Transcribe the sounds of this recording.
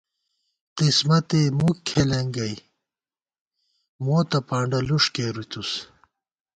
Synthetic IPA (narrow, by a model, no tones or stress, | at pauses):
qismɐt̪emukʰːelɐŋɡɐj | moːt̪ɐpaːɳɖɐluʂkeːɾut̪us